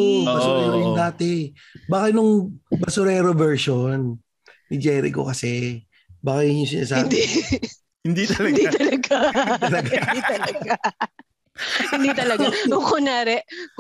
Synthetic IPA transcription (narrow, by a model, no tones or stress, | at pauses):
bɐsʊɾɛːɾojʊnd̪aːt̪ɛ | baːkɐnʊŋbɐsʊɾɛːɾovɛɹʃonː | ɪd͡ʒɛːɾɪ̰ko̰kɐsɛ | baːkɐjʊnʊŋs̬ɪna̰ːs̬aːd̪i | hɪnd̪it̪ɐld̪it̪ɐlɐɡalɐɡad̪it̪ɐlɐɡa | hɪnd̪it̪ɐlɐaʊkonaːɾɛʔ